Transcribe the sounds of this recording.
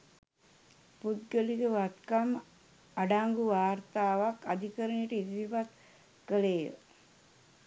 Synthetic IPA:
pud̪ɡəliɡəʋat̪kam | aɖaŋɡuʋaːrt̪aːʋakad̪ikəɾənʈəid̪iʋipat̪ | kəleːjə̰

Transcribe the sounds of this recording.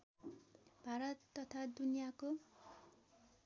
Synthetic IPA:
bʱaɾʌt̪ːʌt̪ʰad̪unijako

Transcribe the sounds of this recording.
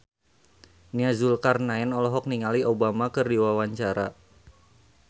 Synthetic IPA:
niazulkarnaɛnɔlɔɦɔk̚niŋaliobamakərdiwawaɲt͡ʃaɾa̰

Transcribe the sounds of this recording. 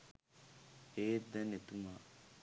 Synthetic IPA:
eːd̪ɐnet̪umaː

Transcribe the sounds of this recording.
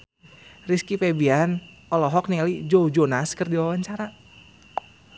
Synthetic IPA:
riskipebian | ɔlɔɦɔk̚nialid͡ʒoud͡ʒonaskərdiwawaɲt͡ʃaɾa

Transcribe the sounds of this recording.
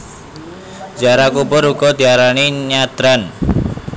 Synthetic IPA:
d͡ʒaɾakubʊɾuɡ̥ɔd̪̥iaɾaniɲad̪ɾan

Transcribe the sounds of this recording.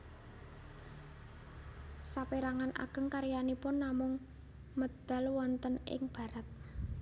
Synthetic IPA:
sapiɾaŋanʔa̰ɡ̥ə̤ŋkaɾijanipʊnːamʊŋ | məd̪̥a̤lwɔnt̪ənɪ̰ŋb̥ä̤ɾət̪̚

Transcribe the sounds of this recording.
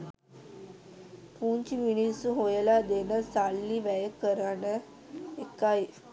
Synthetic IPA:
puːɲt͡ʃiminisːuɦojəlad̪enəsalːiʋæjəkəɾanə | ekːaj

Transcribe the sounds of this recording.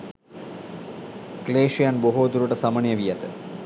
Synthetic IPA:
kleːʂijanboɦoːd̪uɾuʈɐsɐmɐɳijɐʋijɐt̪ɨ

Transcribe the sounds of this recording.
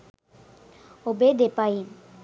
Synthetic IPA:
obed̪epaji

